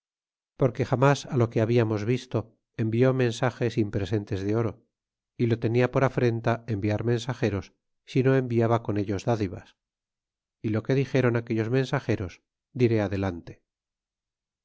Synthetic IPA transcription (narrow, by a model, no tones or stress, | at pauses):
poɾke̞xamasalo̞keaβiamo̞zβist̪o̞ | embio̞mẽ̞nsaxe̞simpɾese̞nt̪e̞zðeo̞ɾo̞ | ilo̞t̪e̞niapo̞ɾafɾe̞nt̪ae̞mbiaɾmẽ̞nsaxe̞ɾo̞sː | ino̞e̞mbiaβako̞ne̞ʎo̞zðaðiβa̰s | ilo̞ke̞ðixe̞ɾo̞nake̞ʎo̞zmẽ̞nsaxe̞ɾo̞s | d̪iɾe̞aðe̞lant̪e